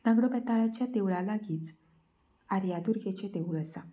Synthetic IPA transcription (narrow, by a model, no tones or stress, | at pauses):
naɡɽopɛt̪aɭat͡ɕjat̪eʋɭalaɡiːt͡s | aɾjad̪uɾɡet͡ɕet̪eʋuɭəsa